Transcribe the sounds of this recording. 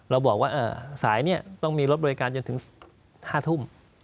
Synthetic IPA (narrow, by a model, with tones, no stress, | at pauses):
ɾa˧wbɔː˨˩k̚waː˥˩ʔɤː˧˩saː˩˦jni˥˩ɐt̪ɔ˥˩ŋmiː˧ɾo˦˥bɔ˧i˦˧kaː˧nt͡ɕo˧nt̪ʰɯ˩˦ŋ | haː˥˩t̪ʰu˥˩m